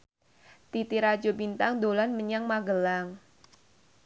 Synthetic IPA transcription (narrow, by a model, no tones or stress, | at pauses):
t̪it̪iɾḁd͡ʒobint̪aŋd̪olanməɲaŋmaɡəlaŋ